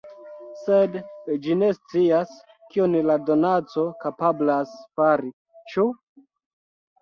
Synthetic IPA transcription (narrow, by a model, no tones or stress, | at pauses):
sedd͡ʒine̞st͡sias | kionlado̞nat͡so̞kapablasfaɾi | t͡ʃu